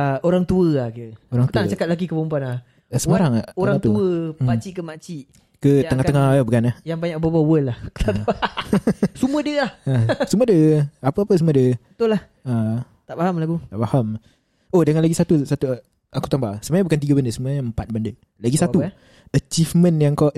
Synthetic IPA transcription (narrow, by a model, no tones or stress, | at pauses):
aoɾaŋt̪uəahkəoɾaŋt̪uanat͡ʃakat̪̚laɡikəbompanah | əsəmaɾaŋaoɾaaŋt̪uəpat͡ʃikəmat͡ʃiʔ | kəəŋaht̪əŋahbukanahjaŋbaɲak̚babawəlahkə̥t̪aa | sumədiəlahəsumədəapəapəs̬umədəbət̪ʊlah | a | t̪aʔbaɦamlaɡut̪aʔbaham | odəŋanlaɡisat̪usat̪u | akut̪ambahsəmaɲãbukant̪̬iɡabəndəsəmaɲaəmpat̪̚bəndə | laɡisau | ət͡ʃifmə̃njaŋkaʔ